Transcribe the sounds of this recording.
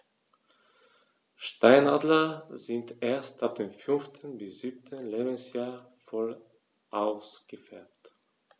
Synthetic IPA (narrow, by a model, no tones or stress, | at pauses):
ʃtaɪnaːdlɐzɪntʔeːɐstap̚d̥eːmfʏnftʰən̩bɪsz̥ip̚tʰənleːbən̩sjaːɐ | fɔl | ʔaʊsɡ̥əfɛɐp̚t